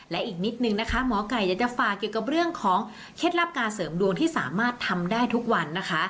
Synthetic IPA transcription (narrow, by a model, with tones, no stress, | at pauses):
lɛ˦˥ʔiː˨˩k̚ni˦˥t̪̚nɯ˨ŋna˦˥kʰa˦˥mɔː˩˦ka˨˩jaː˨˩t͡ɕa˨˩faː˨˩kːi˨˩əwka˨˩p̚ɾɯ˥˩əŋkʰɔː˩˦ŋ | kʰe˦˥t̪̚ɾa˦˥p̚kaː˧nsɤː˩˦mdu˧əŋt̪ʰiː˥˩saː˩˦maː˥˩t̪ʰːa˧mdaː˥˩jt̪ʰu˦˥k̚wa˧nːa˦˥kʰa˦˥